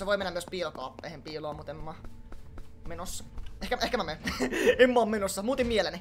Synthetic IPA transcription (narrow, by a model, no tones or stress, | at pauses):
seʋoimenːæmyøspiːlkɑːpːḛˑhempiːloɑːmut̪emːɑ | menosːɑ̥ehkæehkæmæmenemːɑːmmenosːɑmuːt̪immieleni